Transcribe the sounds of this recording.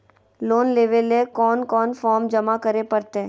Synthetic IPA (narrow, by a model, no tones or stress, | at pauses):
loːnleːʋelekɔːnkɔːnfɔːɾmd͡ʒɐmakɐɾepɐɾt̪eɦɛ̃